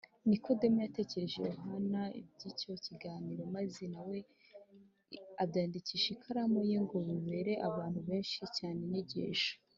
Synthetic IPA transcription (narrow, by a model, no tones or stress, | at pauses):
nikʰodemujate̞ːce̞ɾe̞ʒḛjoɦanaḭbɟico̞ciɡaːniɾo̞mazenawe̞ | abɟaːndiciʃikʰaɾamojeŋɡoβiβe̞ɾe̞ʔaβaːn̥huβe̞ːnʃicaːneneɟḛːʃḁ